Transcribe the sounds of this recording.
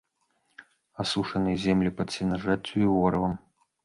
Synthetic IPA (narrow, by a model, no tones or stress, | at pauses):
asuʂɐnɨjzʲɛmlʲipɐt̪sʲinɐʐat͡sʲːuivɔɾɐvɐm